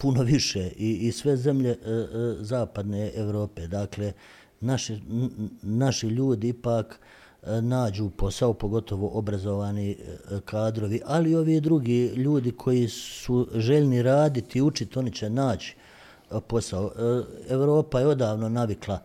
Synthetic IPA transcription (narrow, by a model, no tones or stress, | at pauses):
puno̞ʋiʃeːʔiːsʋe̞ze̞mʎe̞zaːpad̪neːeʋɾo̞ːpeːd̪akle̞ | naʃi | naʃiʎuːd̪iipaːk | naːd͡ʑuːpo̞saopo̞ɡo̞t̪ʰo̞ʋo̞ʔobɾazo̞ʋaːnikʰaːd̪ɾo̞ʋiʔalio̞ʋiːd̪ɾuɡiːʎuːd̪ikʰo̞jisuʒeʎniɾaːd̪it̪iut͡ʃit̪o̞nit͡ɕe̞naːt͡ɕi̥ | po̞saoeʋɾo̞ːpajeo̞d̪aːʋno̞naʋiklˠa